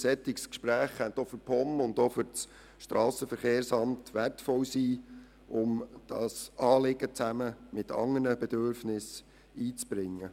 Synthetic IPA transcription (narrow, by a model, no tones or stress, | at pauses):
sɛtɪkskʃpɾæːχhɛnt̪ofʏɾpʰɔmʊndofʏɾt͡s | ʃtɾɑːsəfəɾχeːɾsɑmtʋærtfɔwsiː | ʊmd̥ɑsɑːlɪɡ̥ət͡sæməmɪtʰɑ̰ŋːənnəbɛd̥̪øɾfnɪs | iːt͡sb̥ɾɪŋːə